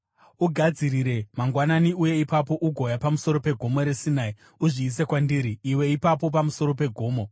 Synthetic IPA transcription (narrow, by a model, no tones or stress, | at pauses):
uɡʱad͡ziɾiɾe̞maŋɡwananiuje̞ipapo̞ʔuɡʱo̞japamuso̞ɾo̞pe̞ɡʱo̞mo̞ɾe̞sinai | uʐiːs̬ekwandiɾiːwe̞ipapo̞pamuso̞ɾo̞pe̞ɡʱo̞ːmo̞